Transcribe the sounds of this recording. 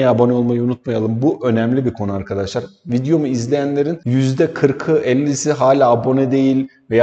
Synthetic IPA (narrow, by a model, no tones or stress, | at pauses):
jabo̞nɛo̞lˠmajɯunut̪̚majalˠɯmbuʔø̞nɛmlʲibikʰo̞nuaɾkʰad̪aʃlˠaɾvid̪jo̞muizlʲejænlʲe̞ɾinjyzd̪ɛkʰɯɾkʰɯʔɛlʲːisiɦaːlʲaːabo̞nɛd̪e̞jilʲ | veja